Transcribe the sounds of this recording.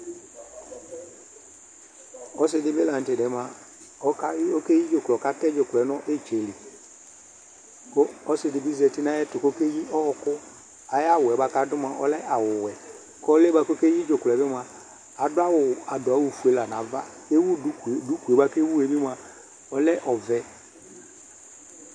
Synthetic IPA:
ɔ˦s̬ɪ˦dɪ˨˦bɪ˦la˨n̩˨tɪ˨dɛ˨˦ma˨ | ɔ˦ka˦o˦ke˦ji˦d͡ʒo˨klɔ˨ka˦tɛ˦d͡ʒo˨klɛ˨˦nɔ˦ʔe˦˨t͡ʃe˨lɪ˨ | kɔ˦ɔ˦sɪ˨dɪ˨bɪ˦zɛ˨tɪ˦na˦jɛ˦tʊ˨ko˦ke˦ji˦ʔɔ˦ɔ˨kʊ˦ | a˨ja˦˨wʊ˨ɛ˨ba˦ka˦dʊ˦m˦a˨ʔɔ̰˨˦lɛ˦ʔa˨wʊ˨wɛ˨ | kɔ˦lɛ˦ba˨˧ko˦ke˦ji˦d͡ʒo˨klɛ˨˦bɪ˦m˨a˨ | a˨dʊ˦a˦wʊ˨a˨dʊ˨a˨˦wʊ˨fu˨e˨˦la˨nã˨va˦ | e˦wu˦˨du˨˦ku˨e˨ba˦ke˦wu˦e˨bɪ˦m˦a˨ | ɔ˦lɛ˦ʔɔ˨vɛ˦

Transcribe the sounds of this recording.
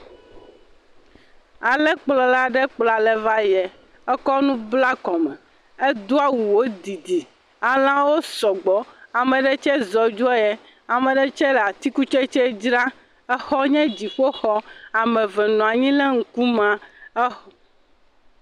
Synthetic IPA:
a˨lɛ˦k͡plɔ˨la˨ɖɛ˦k͡pla˨lɛ˦va˦jɛ˨ | ɛ˦kɔ˦nũ˦bla˦kɔ˨mɛ˨ | ɛ˦d̪u˦a˦wu˨wo˦d̪i˨d̪i˨ | a˨l̃ã˦wo˦sɔ˨ɡ͡bɔ˨a˨mɛ̃˨ɖɛ˦t͡ʃɛ˦zɔ˨d͡ʒu˦a˦jɛ˦ | a˨mɛ̃˨ɖɛ˦t͡ʃɛ˦la˨t̪i˦ku˦t͡ʃɛ˦t͡ʃɛ˦d͡ʒɾa˦ | ɛ˦xɔ˦ɲɛ̃˦d͡ʑi˨ɸo˦xɔ˦a˨mɛ̃˨vɛ˨nɔ̃˨a˨ɲĩ˦lɛ˦ŋ̩˨ku˦mã˨ɛ˦x

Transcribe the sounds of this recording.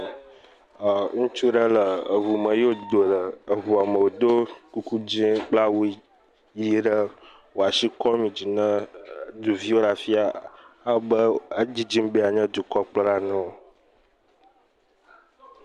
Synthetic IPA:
ŋũ˦t͡ʃu˦ɖə˦lə˨ə˨vu˨mə̃˨jo˦d̪o˨lə˨ə˨vu˨a˨mə̃˨wo˨d̪o˦ku˦ku˦d͡ʑĩ˦k͡pla˦wu˦ | ji˦ɖə˦ | wo˨a˨si˦kɔ˦mĩ˨d͡ʑi˨nə̃˦d̪u˨vi˦wo˦la˨fi˦a˨a˦bə˦ə˦d͡ʑi˦d͡ʑi˦mbe˦a˨ɲə̃˦d̪u˨kɔ˦k͡plə˦la˦nɔ̃˦o˨

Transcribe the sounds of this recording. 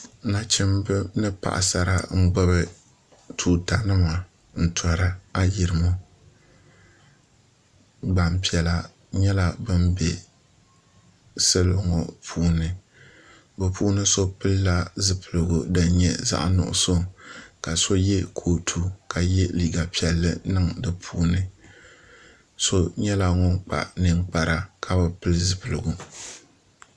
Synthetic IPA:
na˨t͡ʃɪ˦mbɨ˦nɨ˦pa̰˨ʔa̰˨sa˨ɾa˦ŋ͡m̩˦ɡ͡bɛ˦βɨ˨ | tʰuː˨ta˨nɨ˦ma˨ | n̩˨tʰɔ˨ɾa˦a˦ji˨ɾɨ˨mo˦ | ba˨m˦pi˨ɛ˨la˦ | ɲɛ˦la˦bɨ˦mbɛ˨ | sɨ˦lo˨ŋɔ˨pʰuː˨˦nɨ˦ | bɛ˨pʰuː˦nɨ˦so˦pɨ˦lla˦zɨ˦pɨ˨lɨ˨ɡu˨da˨ɲɛ˨za̰˦ʔnʊ̰˨ʔʊ̰˨so˦ka˨so˦jɛ˦kʰoː˨tʰu˦ka˨jɛ˦liː˦˨ɡa˨pi˨ɛ˨lːɨ˦nɨ˦ŋdɨ˨pʰuː˦nɨ˦ | so˦ɲɛ˦la˨ŋɔ˦ŋk͡pa̰˨ʔnɨ˦ŋk͡pa˨ɾa˦kʰa˦bɛ˨pɨ˦lɨ˦zɨ˨pɨ˨lɨ˨ɡu˨

